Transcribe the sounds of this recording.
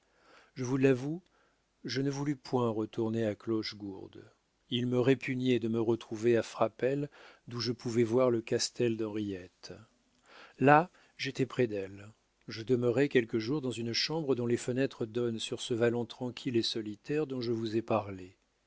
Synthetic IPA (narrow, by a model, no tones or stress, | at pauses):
ʒəvulavu | ʒənəvulypʰwɛ̃ʁət̪uʁneaklɔʃɡuʁd̪ | ilməʁepyɲjɛd̪əməʁət̪χuveafχapɛld̪uʒəpuvɛvwaʁləkast̪ɛld̪ɑ̃ʁijɛt̪ | la | ʒet̪ɛpχɛd̪ɛl | ʒəd̪əməʁɛkʲɛlkəʒuʁd̪ɑ̃zynʃɑ̃bʁəd̪ɔ̃lefənɛt̪χəd̪ɔnsyʁsəvalɑ̃t̪χɑ̃kʲʰilesɔlit̪ɛʁd̪ɔ̃ʒəvuzɛpaʁle